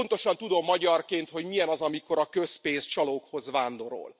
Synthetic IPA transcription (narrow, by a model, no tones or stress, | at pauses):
ont̪o̞ʃɒnt̪ud̪o̞mːɒɟɒrkeːnt̪ho̞ɟmijɛnɒzɒmiko̞ɾɒkøspeːst͡ʃɒloːkho̞zvaːnd̪o̞ɾo̰l